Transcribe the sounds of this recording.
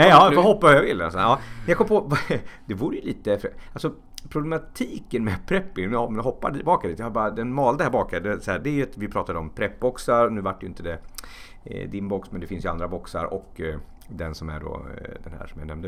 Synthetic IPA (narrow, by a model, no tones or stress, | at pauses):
nɛɑːfɔɦɔpːaajavɪlːɛsɛɑːmɛnjakʰɔmːəpʰɔvd̪ɛvuːɾəjəliːt̪əfalsɔ | pʰɾʊblɛmat̪ʰiːkənmɛpʰɾɛpːɪmɦɔpːa̰d̪ilbɑːkad̪iːt̪jahabɑːɾad̪ɛnmɑːld̪əhæɾbɑːkad̪ɛsæːd̪ɛæɾjɵɛt̪vɪpʰɾɑːt̪ad̪əɔmpʰɾɛpːbɔksaɾnʉ̟ːvaʈːjɪnt̪əd̪ɛ̰ | d̪ɪnbɔksmɛnd̪ɛfɪnsjɵa̰nd̪ɾabɔksa̰ɾɔ̰k | d̪ɛnsɔmæ̰ɖɔ̰d̪ɛnhæ̰ːʂɔmjanɛmd̪ə